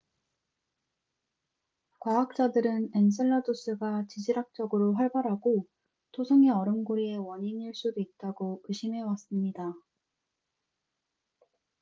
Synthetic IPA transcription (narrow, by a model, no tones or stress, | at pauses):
kwaak̚t͡ɕ͈adɯɾɯne̞ns̬ʰɯɭːados͈ɯɡat͡ɕid͡ʑiɾak̚t͡ɕ͈ʌɡɯɾoɸwaɭbaɾɦaɡo | tʰosʰɯŋeʌɾɯmɡoɾie̞wʌɲiɲiɭs͈udoit̚t͈aɡoɯɕʰimɦe̞was͈ɯmɲida